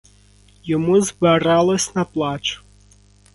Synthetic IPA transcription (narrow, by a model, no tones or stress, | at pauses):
jɔmuzbeɾɑlˠɔsʲnɐplˠɑt͡ʃʊ̥